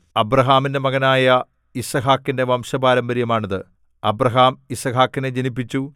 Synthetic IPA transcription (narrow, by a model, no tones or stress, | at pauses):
ɐbɾɐɦaːminde̞mɐɣɐnaːjɐ | isɐɦaːkːinde̞ʋɐmɕɐbaːɾɐmbɐɾjɐmaːɳɐðɨ | ɐbrɐɦaːmisɐɦaːkːined͡ʑɐnipːit͡ɕːu